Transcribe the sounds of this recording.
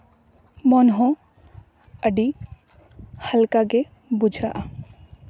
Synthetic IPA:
mɔnɦɔ̃ | əɖi | həlkaɡe | bʊd͡ʒʱaʔa

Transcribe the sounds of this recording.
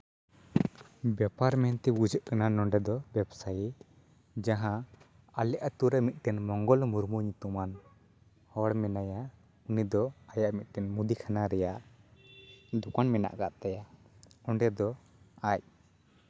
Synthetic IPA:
bɛpaɾmɛnt̪ɛɡud͡ʒəʔkananɔɳɖɛd̪ɔbɛbsaj | d͡ʒaɦã | alɛʔat̪uɾɛmit̪̚ˀʈ̪ɛnmɔŋɡɔlmuɾmuɲut̪uman | hɔɽmɛnaja | unid̪ɔajaʔmit̪̚t̪ɛnmud̪ikʰanaɾɛjaʔ | d̪ukanmɛna̰ʔkaʔt̪aja | ɔɳɖɛd̪ɔ | ac̚

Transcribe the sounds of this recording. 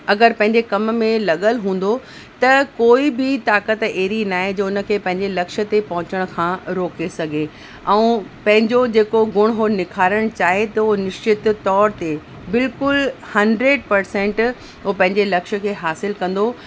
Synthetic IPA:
ɐɡəɾpɐ̃ɦɪ̃ɲd͡ʑekɐmmẽlɐɠəlɦũːn̆d̪o | t̪ɐkoːibʱɪt̪aːkət̪eːɾinaːɦẽd͡ʑoʊnə̆kʰeːpɐ̃ɦɪ̃ɲd͡ʑelɐkʃə̆t̪epɐɦʊ̃t͡ɕəɽ̃̆kʰãːɾoːkesɐɡʱe | ɛ̃ũːpɐ̃ɦɪ̃ɲd͡ʑod͡ʑeːkoɡʊɽ̃ɦonɪkʰaːɾəɽ̃t͡ɕaːɦet̪ɐonɪʃt͡ɕɪt̪t̪ːɔːɾt̪e | bɪlkʊlhɐ̃ɳɖɾeːɖ̚pɐɾsɛ̃ɳʈ | opɐ̃ɦɪ̃ɲd͡ʑelɐkʃə̆kʰeːɦaːsɪlkɐ̃nd̪o

